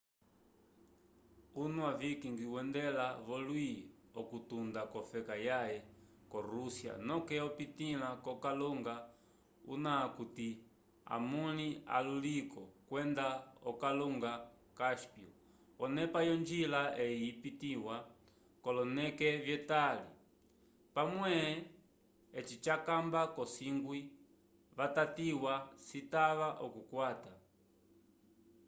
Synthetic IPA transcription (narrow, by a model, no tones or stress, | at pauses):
unuavikiŋɡiwɛndɛlaβɔlwi | ɔkutundakɔfɛkajajɛ | kɔɾusja̰nɔkɛɔpitilakɔkaluŋɡa | ṵnakuti | a̰munia̰lulikɔkwɛndaɔkaluŋɡa | kaʃpjɔ̰ | ɔnɛpajɔnd͡ʒilaʔɛipitiwa | kɔlɔnɛkɛvjɛtalḭ | pamwɛ | ɛt͡ʃit͡ʃakambakɔsiŋɡwi | βatatiwasitaβaʔɔkukwata